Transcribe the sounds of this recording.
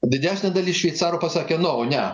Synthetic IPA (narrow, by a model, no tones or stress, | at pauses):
d̪ʲɪd̪ʲæːsʲnʲɛd̪ɐlʲiːʃʲʋʲɛɪt̪sɑːɾoːpɐsɑːkʲenʊoːnʲɛ